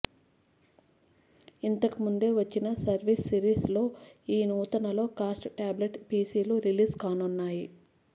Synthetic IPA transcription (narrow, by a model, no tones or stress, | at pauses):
int̪ɐkumund̪e̞ːʋɐt͡ʃːinɐsɐɾʋisːiɾiːslo̞ːiːnuːt̪ɐnɐlo̞ːkaːsʈʈaːbleʈpiːsiːluɾiliːskaːnunːaːji